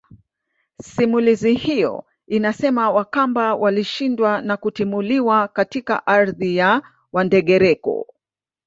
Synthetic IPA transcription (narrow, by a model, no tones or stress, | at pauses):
simulizihijɔ̰ | inasɛmawakambawʔaliʃindwanakutimuliwakatika̰ʔaɾðija | wandɛɠɛɾɛkɔ̰